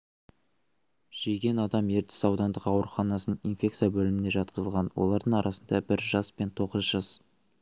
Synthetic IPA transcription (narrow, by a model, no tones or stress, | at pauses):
ʒ̥ejɡʲe̞nɑd̪ɑme̞ɾt̪ɪ̥sɑwd̪ɑnd̪əqɑwəɾχɑnɑsənəinfʲe̞kt̪sijɑbɵlɪmɪnd̪eʒɑt̪̚qəzəlˠʁɑnwo̞̰lˠɑɾd̪əɴɑɾʔɑsənd̪ɑbɪɾʒɑspe̞nt̪ʰo̞ʁəzʒɑs